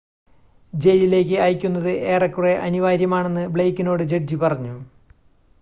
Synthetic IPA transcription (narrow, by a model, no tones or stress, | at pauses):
d͡ʑe̞jlile̞ːkːɨaːjkʲːun̪ːɐðɨʔe̞ːrɐkːure̞ʔɐ̰niʋaːɾjɐmaːɳe̞nːɨbɭejkːino̞ːɽɨd͡ʑeɖd͡ʑipɐrɐɲːu